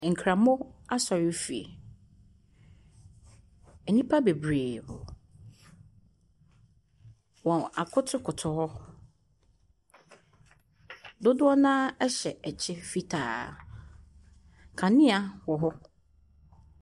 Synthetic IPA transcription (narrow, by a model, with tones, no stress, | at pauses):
ŋ̩˨kʰɾã˨mʊ̃˦a˦sɔ˨ɾɪ˦fi˨ḛ˨ | ɛ˨nĩ˦pʰa˦be˨bɾeː˨ʊ˨ | wɔ̃˨na˨kʰʊ˦tʰʊ˦kʰʊ˨tʰʊ˨hɔ˦ | dʊ˦dʊ˦ɔ˦nãː˦ɛ˦ɕɛ˨ɛ˨t͡ɕʰɪ˦fi˦tʰa̰ː˨ | kʰã˨nɪ̃˦a˦wɔ˨ɦɔ˦